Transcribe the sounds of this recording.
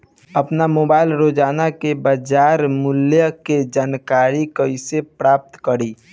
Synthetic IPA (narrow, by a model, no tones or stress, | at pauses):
əpnamoːbaːɪlɾoːd͡ʒaːnakebəd͡ʒaːɾmʊljəked͡ʒaːnkaːɾikəisepɾaːp̚t̪kəɾiː